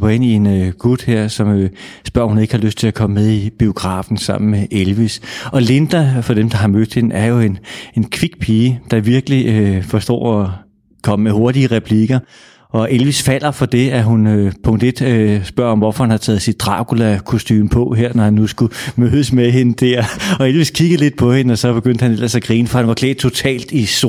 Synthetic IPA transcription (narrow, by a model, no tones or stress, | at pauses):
b̥ɐe̝n̰ie̝nøɡ̥ud̥heɐ̰sɒ̽møsb̥ɶɐ̰hune̝ɡ̥əhɑ̈løsd̥̚t͡sʰe̝lækʰɒ̽məmeð̞ˠib̥io̝ɡ̥ʁɑ̈ːfn̩sɑ̈m̰n̩meʔelʋisʔɒ̽le̝nd̥æfɒ̽d̥emd̥ɑ̈ɦɑ̈mød̥he̝nʔæɐjo̝e̝ne̝nkʰʋiɡ̥pʰiːəd̥ɑ̈ʋiɐɡ̥əliøfɒ̽sd̥ɒ̰ːɒ | kʰɒ̽məmeɦo̝ɐd̥iəʁɛpʰliɡ̥ɐ | ʔɒ̽ʔe̝lʋisfæl̰ɐfɒ̽d̥e̝æɦunøpʰɔ̽ŋd̥e̝d̥øsb̥ɶɐ̰ɒ̽mʋɒfɒhænhɑ̈t͡sʰɛ̰ːð̩ˠsid̥̚d̥ʁɑ̈kulækʰo̝sd̥y̰ːmn̩pʰɒ̽ɦeɐ̰nɒhænːusɡ̥umøːðˠəsmeɦe̝nəd̥æɐ̰ɒ̽elʋiskʰiɡ̥̩ˠle̝d̥̚pʰɒ̽he̝nəɒ̽sɒ̽b̥e̝ɡ̥øn̰d̥hænel̰ɐsæɡ̥ʁiːnəfɒhænʋɑ̈kʰlḛːd̥̚t͡sʰo̝t͡sʰɛ̰ːld̥iso